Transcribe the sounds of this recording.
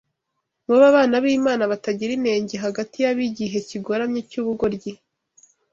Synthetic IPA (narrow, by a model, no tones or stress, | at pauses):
muβaβaːnaβiːmaːnaβataɟiɾine̞ːɲɟeɦaɡatʰijaβiɟiɦe̞ciɡo̞ɾamɲecuːβuɡo̞ɾɟi